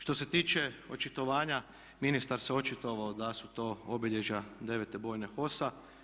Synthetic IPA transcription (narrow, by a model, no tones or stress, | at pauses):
ʃt̪o̞se̞t̪iːt͡ʃe̞o̞t͡ʃit̪o̞ʋaːɲa | minist̪aɾseo̞t͡ʃit̪oʋaod̪asut̪o̞obiʎe̞ʒad̪e̞ʋet̪e̞bo̞ːjne̞xo̞sa